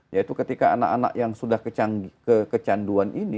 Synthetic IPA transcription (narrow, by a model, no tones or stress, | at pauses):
jait̪ukət̪ikaana̰kana̰ʔjaŋsudahkət͡ʃaŋɡkəkət͡ʃanduanʔini